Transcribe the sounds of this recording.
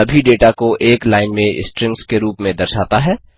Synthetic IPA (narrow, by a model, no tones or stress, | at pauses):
ɐbʱiɖeːʈakoʔeːklaːɪnmẽɪ̰sʈɾɪ̃ŋɡskeɾuːpmẽd̪ɐɾʃaːt̪aɦɛː